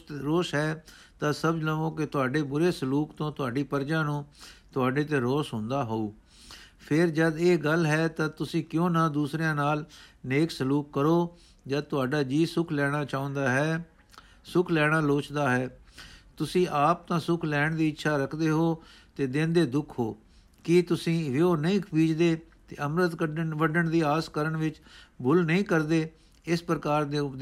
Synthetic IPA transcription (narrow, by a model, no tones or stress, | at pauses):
ɾoːsɦɛː | t̪ãːsəbd͡ʒləɡõːkɪt̪ʊaːɖeːbʊɾeːsəluːkt̪õːt̪ʊaːɖiːpəɾd͡ʒãːnũːt̪ʊaːɖeːt̪ẽːɾoːsɦʊ̃nd̪aːɦoːuː | pʰɪɾd͡ʒəd̪eːɡəlɦɛːt̪ãːt̪ʊsĩːkjõːnãːd̪uːsɾejãːnaːlneːksəluːkːəɾoː | d͡ʒəd̪t̪ʊaːɖaːd͡ʒiːsʊkʰlɛːɽ̃aːt͡ʃaːʊ̃ːnd̪aːɦɛː | sʊkʰlɛːɽ̃aːloːt͡ʃd̪aːɦɛːt̪ʊsĩːʔaːp̚t̪ãːsʊkʰlɛːɳd̪iːɪtːʃʰaːɾəkʰd̪eːɦoː | t̪eːd̪ẽːnd̪eːd̪ʊkʰɦoː | kiːt̪ʊsĩːʋeoːnəĩːkʰpiːd͡ʒd̪eː | t̪eːəmɾət̪ʋəɖəɳd̪iːaːskəɾəɳʋɪt͡ʃbʱʊlnəĩːkəɾd̪eː | ɪspɾəkaːɾd̪eː